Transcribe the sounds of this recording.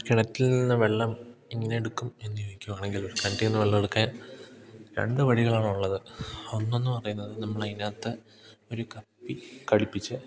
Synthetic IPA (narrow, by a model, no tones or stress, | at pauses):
kiɳɐt̪ːilninːɐʋe̞ɭːɐmiŋːɐne̞eɽukːume̞nːujoːjikʲːumaːɳe̞ŋɡiloɾukɐɳʈienːɐʋeɭːɐmeɽukːɐja | ɾḛɳɖɨʋɐɽiɣɐɭaːɳuɭːɐðɨonːo̞nːɨpɐrɐjunːɐðɨnɐmːɐɭɐjnaːt̪ːɨ | o̞ɾukɐpːikɐɻipːit͡ɕːɨ